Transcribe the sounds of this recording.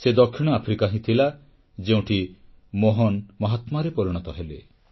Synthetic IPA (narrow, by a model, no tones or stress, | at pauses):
sed̪ɔkʰːiɽ̃ɔapʰɾikaɦĩt̪ʰila | d͡ʒeũʈʰi | moɦɔnmɔɦɔt̪maɾepɔɾiɽ̃ɔt̪ɔɦele